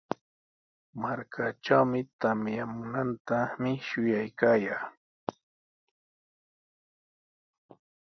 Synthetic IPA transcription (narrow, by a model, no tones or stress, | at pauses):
maɾkʰaʈ͡ʂawmɪt̪amjamʊnant̪amɪʃʊjajkaːjaː